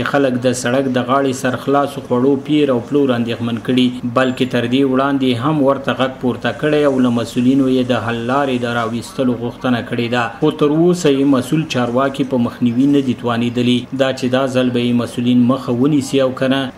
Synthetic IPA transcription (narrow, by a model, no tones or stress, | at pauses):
xaləkd̪əsaɽakd̪əɣɑɽesaɾxlɑsoxwaɽopiɾawploɾand̪exmankəɽibalket̪əɾd̪ewɽɑnd̪eɦamwəɾt̪aɣaɡ̚puɾt̪akəɽejawlamasulinojed̪əɦalːɑɾed̪əɾɑwist̪əloɣʊxt̪ənakəɽed̪axot̪əɾosajemasult͡ʃɑɾwɑkipəməxniwinad̪it̪wɑned̪əlid̪ɑt͡ʃed̪ɑzalbajemasulinməxawənisiawkana